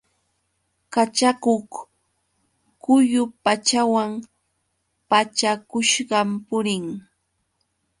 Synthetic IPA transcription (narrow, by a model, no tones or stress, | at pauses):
kat͡ʃakoχ | kʊjʊpat͡ʃawaŋ | pat͡ʃakʊʃɢɑmpʊɾɪŋ